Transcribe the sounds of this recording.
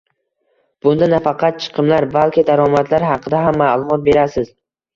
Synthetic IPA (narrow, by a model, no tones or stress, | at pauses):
b̥ʊnd̪anafɑqʰɑt̪̚t͡ʃʰɨ̥qʰɨmlaɾbalkʲɪd̪aɾɒmat̪laɾɦɑqʰɨd̪aɦamːalˠʊmɒt̪̚be̞ɾasɪz̥